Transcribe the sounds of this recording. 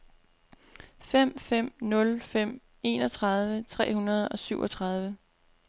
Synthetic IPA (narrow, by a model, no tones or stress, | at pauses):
fem̰fem̰nɔ̽lfem̰ | e̝ːnɒ̽t͡sʰʁɑ̈ð̞ˠʋət͡sʰʁɛ̰ːhunɐð̞ˠɒ̽syʊ̰ɒ̽t͡sʰʁɑ̈ð̞ˠʋə